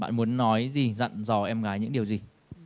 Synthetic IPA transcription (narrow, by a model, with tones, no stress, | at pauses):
ɓa̰ː˧˨nmu˨˦ənːɔ˨˦jzi˨˩zə̰˧˨nzɔ˧˩ʔɛ˧mɣaː˨˦jɲɨ̰˧˥ŋɗi˨˩əwzi˨˩